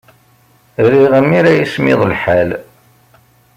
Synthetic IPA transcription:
ɾiʁəmːiɾæjismɪ̰ðˤlħæl

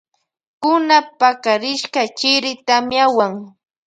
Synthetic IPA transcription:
kʊnapakaɾɪʃkat͡ʃɪɾɪt̪amjawaŋ

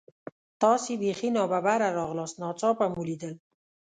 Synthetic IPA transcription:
t̪ɔsibexinɔbabaɾaɾɔɣlɔsnɔt͡sɔpamulid̪əl

